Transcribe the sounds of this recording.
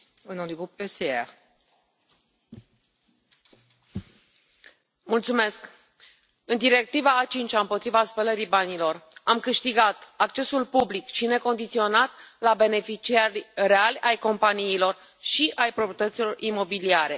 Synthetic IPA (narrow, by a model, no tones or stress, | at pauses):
ɨnoɡɾupøseeʁ | mult̪sume̞sk | ɨnd̪iɾe̞k̚t̪ivaːt͡ʃint͡ʃaɨmpo̞t̪ɾivaspələɾibanilo̞ramkɨʃt̪iɡat̪akt͡ʃe̞sulpublikʃine̞ko̞nd̪it̪sio̞nat̪̚labe̞ne̞fit͡ʃiarʲrealʲajko̞mpaniːlo̞r | ʃiʔajpɾopɾiet̪ət̪silo̞rimo̞biliaɾe̞